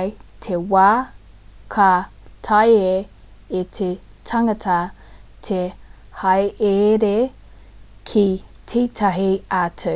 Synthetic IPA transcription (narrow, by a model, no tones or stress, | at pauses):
jtʰewaː | kʰa | tʰaje | etʰetʰɐŋɐtʰɐtʰehɐjʔeɾe | kʰi | tʰitʰɐɦiatʰo